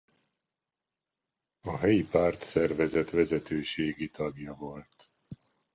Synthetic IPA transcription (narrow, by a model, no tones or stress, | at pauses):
ɒɦɛjipaːrt̪sɛrvɛzɛt̪ʋɛzɛt̪øːʃeːɡit̪ɒɡjɒvo̞lt̪